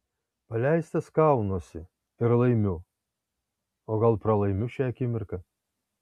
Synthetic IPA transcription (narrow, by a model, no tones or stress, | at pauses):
pɐlʲæɪst̪ɐskɑˑʊnoːsʲɪ | ɪɾlˠɐɪmʲʊ | oːɡɐlˠpɾɐlˠɐɪmʲʊʃʲɛɐkʲɪmʲɪɾkɐ